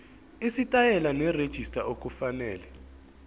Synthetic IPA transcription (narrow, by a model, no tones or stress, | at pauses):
isitʼajɛlanɛred̥ʒ̥ʱistʼaʔok̬ʼufanɛːlɛ